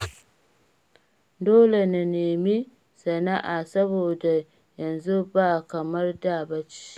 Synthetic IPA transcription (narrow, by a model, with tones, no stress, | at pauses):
doː˦le˨na˨neː˨mi˦ | sɐ˨na˦ʔa˨sɐ˦boː˨da˨ | jɐ˨nzu˦baː˦˨kɐ˨mɐ˦rdaː˦˨ba˦t͡ʃi̥˦